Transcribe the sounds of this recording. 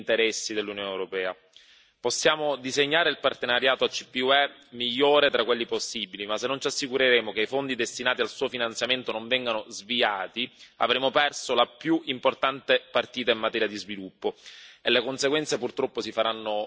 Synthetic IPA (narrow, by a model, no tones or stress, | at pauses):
nt̪eɾɛsːid̪elːunjoːnewɾopɛːa | posːjaːmod̪izeɲːaːɾeilpart̪enaɾjaːt̪oat͡ʃːipːiuɛmiʎːoːɾet̪ɾakwelːiposːiːbilimasːenːont͡ʃasːikuɾeɾeːmokeifond̪id̪est̪inaːt̪ialsuːofinant̪sjament̪onoɱvɛŋɡanozviaːt̪ia̰vɾeːmopɛrsolapjuʔimport̪ant̪epart̪iːt̪aimːat̪ɛːɾjad̪izvilupːoelːekonseɡwɛnt̪sepurt̪ɾɔpːosifaɾanːo